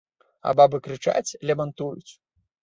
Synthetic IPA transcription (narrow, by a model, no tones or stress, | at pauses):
a̰babɨkɾɨt͡ʂa̰t͡sʲlʲɛmɐnt̪ujṵt͡sʲ